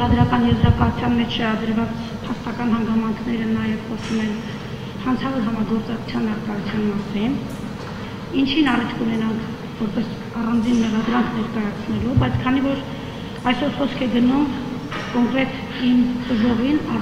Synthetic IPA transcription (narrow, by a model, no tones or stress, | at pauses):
ɑd̪ɾɑkɑnjɛzɾɑkɑut͡sʰjɑnmɛt͡ʃʰʃɛɾɑd̪əɾvɑt͡s | pʰɑst̪ɑkɑnhɑŋɡɑmɑŋkʰnɛɾənɑjɛvχɔsumɛn | hɑnt͡sʰɑvɔɾɦɑmɑɡɔɾt͡sɑkʰu̥t͡sʰjɑnːɑrk̪ɑjut͡sʰjɑnmɑsin | int͡ʃʰinɑrit̪ʰkunɛnɑŋkʰ | vɔɾpɛs | ɑrɑnd͡zinmɛʁɑd̪ɾɑŋkʰnɛɾkɑjɑt͡sʰnɛlubɑjt͡sʰkʰɑnivɔɾ | ɑjsɔɾχɔskʰɛɡənum | ɔʁɛt̪ | imt̪əʒɔʁinɑ